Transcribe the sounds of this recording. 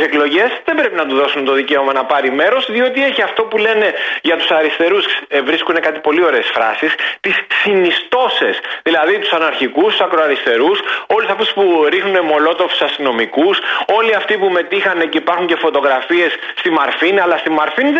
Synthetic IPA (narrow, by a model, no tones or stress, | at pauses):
seklo̞ʝe̞sðembɾe̞pinɐt̪uðo̞sunt̪o̞ðice̞o̞mɐnɐpɐɾime̞ɾo̞sðiot̪ie̞çiɐft̪o̞pule̞ne̞ʝɐt̪u̥sɐɾist̪e̞ɾusvɾiskune̞kɐt̪i̥po̞lio̞ɾe̞ːsfɾɐ̰sist̪isːinist̪o̞se̞sðilɐðit̪usɐnɐɾçikust̪usɐkɾo̞ɐɾist̪e̞ɾuso̞lisɐft̪u̥spuɾixnune̞mo̞lo̞t̪ofu̥sɐst̪ino̞mikuso̞liɐft̪ipume̞t̪ixɐne̞ce̞ipɐɾxuɲce̞fo̞t̪o̞ɣɾɐfie̞sːt̪imɐɾfiniɐlɐst̪imɐɾfin